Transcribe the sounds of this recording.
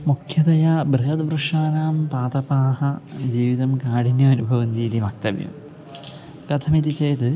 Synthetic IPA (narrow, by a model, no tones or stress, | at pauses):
mukʰjɐd̪ɐjabɾɨɦɐd̪brɨʂaːnaːmpaːt̪ɐpaːhɐd͡ʑiːʋiðɐmkaːɽinjɐɐnubʱɐʋɐnd̪iːlimɐk̚t̪ɐ̰ʋjɐ̰m | kɾɐt̪ʰɐmid̪it͡ɕːejt̪ɨ